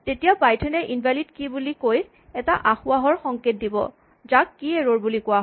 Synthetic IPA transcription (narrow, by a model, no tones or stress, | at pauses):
tetijabajtʰɛnɛʔinbʱalidkibulikoj | ɛtaʔaxʊaɦɔɹxɔŋket̚dibɔ̰ | zakːieɹoɹbulikʊwaɦ